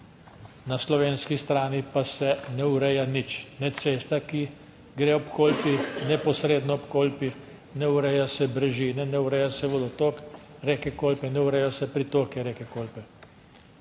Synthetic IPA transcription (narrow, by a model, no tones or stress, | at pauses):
naslɔʋeːnskist̪ɾaːnipasɛnɛuɾɛjanit͡ʃnɛt̪seːst̪aki | ɡɾeːɔpkoːlpinɛpɔsɾeːd̪nɔɔpkoːlpi | nɛuɾɛjasɛbɾɛʒiːnɛnɛuɾɛjasɛʋɔd̪ɔt̪oːk | ɾekɛkoːlpɛnɛuɾɛjɔsɛpɾit̪oːkɛɾeːkɛkoːlpɛ